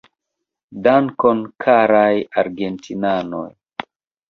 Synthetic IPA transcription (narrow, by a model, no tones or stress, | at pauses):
daŋkonkʰaɾajaɾɡentʰinano̰j